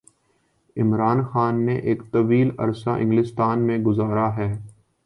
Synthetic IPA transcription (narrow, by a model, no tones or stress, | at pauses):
ɪmɾaːnxaːnːeʔeːkt̪ɐʋiːlɐ̰ɾsa̰ʔɪ̰̃ŋɡlɪst̪aːnmẽɡʊzaːɾaɦɛː